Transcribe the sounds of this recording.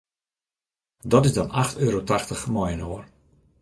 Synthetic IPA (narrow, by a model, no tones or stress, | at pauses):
dɔtɪzdɔnaxtøːɾotaxtəxmɔjənoːr